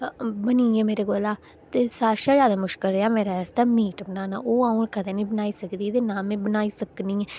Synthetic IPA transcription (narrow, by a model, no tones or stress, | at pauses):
bəniːɛːmeːɾeːɡolaː | t̪eːsaːʃaːd͡ʒjaːd̪aːmʊʃkəlɾeːaːmeːɾast̪aːmiːʈbənaːna̰ːʔoːaːũkət̪eːnĩːbənaːiːsəkd̪iːt̪eːnaːmẽːbənaːiːsəknĩː